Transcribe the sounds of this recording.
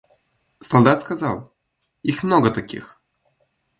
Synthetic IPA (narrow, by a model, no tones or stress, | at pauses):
sɐlˠd̪at̪skazalˠ | ixmnoɡət̪akʲḭx